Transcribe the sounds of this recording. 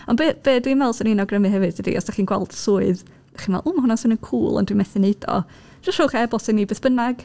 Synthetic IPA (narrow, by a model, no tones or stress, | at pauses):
ɔnbeːb̥eːdwimɛlˠsɔninɔɡrəmɨhɛvɨðdədḭʔɔ̰sd̥aχiːnɡwɛlˠd̥sʊːɨð | daχimɛ̰lˠʊmhʊnasʊnənkʰuːlˠɔ̰ndwimɛθɨned̥ɔ̰ | d͡ʒ̥ɔʃoːχɛbɔsɪmnibeːθb̥ənaɡ̥